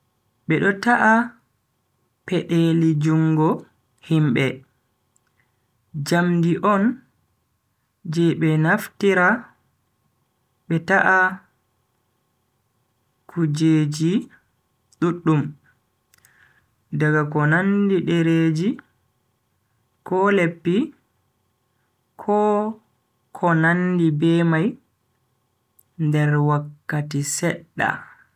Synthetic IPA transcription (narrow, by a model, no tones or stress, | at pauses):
ɓɛɗɔtaʔa | pɛʔelid͡ʒuŋɡɔ | himbɛ | d͡ʒamdiʔɔn | d͡ʒɛɓɛnaftiɾa | ɓɛtaʔa | kʰud͡ʒeːd͡ʒi | ɗuɗːum | daɡakɔnandiɗeɾeːd͡ʒi | kɔlepːi | kʰɔ | kʰɔnandibɛːmaj | ndɛɾwakːatisɛɗːa̰